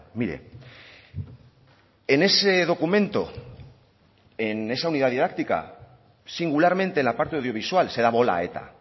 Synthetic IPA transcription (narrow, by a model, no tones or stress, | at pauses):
miɾe̞̰ | ene̞se̞ðo̞kumẽ̞nt̪o̰ | ene̞sauniðaðiðak̚t̪ika̰ | siŋɡulaɾmẽ̞nt̪enlapaɾt̪e̞awðjo̞β̞isualse̞ðaβo̞la̰e̞̰t̪a̰